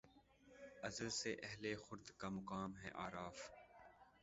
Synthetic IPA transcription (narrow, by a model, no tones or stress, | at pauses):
ɐzəlseʔɛɦlexʊɾd̪kamʊkaːmɦɛ̰ʔaːɾaːf